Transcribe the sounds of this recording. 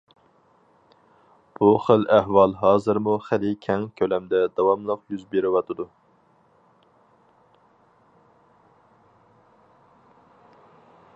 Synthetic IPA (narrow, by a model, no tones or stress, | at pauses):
b̥uχəlæhwɑlˠɦɑːzɨɾmuχælɪkʲʰɛŋkʲʰølɛmd̪ɛd̪ɑwɑmlˠəqjyzbeɾɪwɑt̪ʰɨd̪u